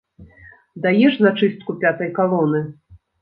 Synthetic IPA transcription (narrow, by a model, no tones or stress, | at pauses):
d̪ajɛʂzat͡ʂɨst̪kupʲat̪ɐjkalˠɔnɨ